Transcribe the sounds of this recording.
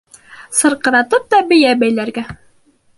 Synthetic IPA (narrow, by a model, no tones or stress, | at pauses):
sɤ̆ɾqɤ̆ɾɑt̪ɤp̚t̪ɑbɘ̆jæbæjlæɾɡæ